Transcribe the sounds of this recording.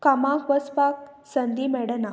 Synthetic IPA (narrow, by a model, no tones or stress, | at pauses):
kamãkʋəspak | sənd̪imɛɽəna